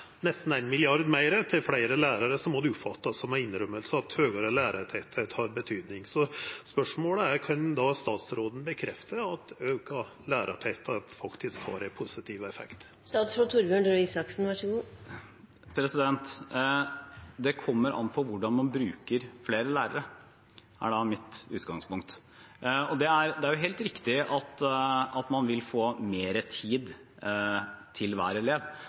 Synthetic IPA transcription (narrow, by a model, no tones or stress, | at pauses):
nɛst̪n̩æɪnmɪlɪɑɾd̪mæɪɾət̪ʰɪlflæɪɾəlæːɾɑɾəsɔmːɔd̪ɛʊpfɑt̪ːɑsɔmæɪnːɾœmːəlsəɑt̪høːɡɑɾəlæːɾɑʈʰɛt̪ʰət̪hɑɾbət̪ʰyːd̪nɪŋsɔspœʂmoːləæɾkʰɑnd̪ɑst̪ɑːt̪sɾoːd̪n̩bəkʰɾɛft̪ʰəɑt̪øːkɑ | læːɾɑʈʰɛt̪ʰət̪fɑkt̪ɪskhɑ̰ːɾæpʰʊsɪt̪ʰiːʋɛfɛ̰kt̪ | st̪ɑːt̪sɾoːd̪t̪ʰʊɾbøːɳɖ̪øiːsɑksn̩ʋɑʂəɡuː | pʰɾɛsɪd̪ɛnt̪ | d̪ɛkʰɔmːəɾʔɑ̰npʰɔʋʊɖɑnmɑnbɾʉːkəɾfleːɾəlæːɾə̰ɾə | æ̰ɖɑmɪt̪ʉ̰ːt̪ɡɑŋspʊŋk̚t̪ | ɔd̪ɛæɾd̪ɛæɾjʊɦeːlt̪ɾɪkt̪ɪʔɑt̪ɑt̪mɑnʋɪlfoːmeːɾət̪ʰiːd̪ | t̪ʰɪlʋæ̰ːɾəleːʋ